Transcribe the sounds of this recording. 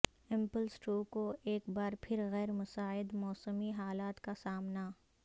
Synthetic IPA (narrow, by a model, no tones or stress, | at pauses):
ɪ̃mpəlsʈuːkoʔeːkbaːɾpʰɪɾɣɛːɾmʊsaːɪd̪mɔːsəmiɦaːlaːt̪kasaːmna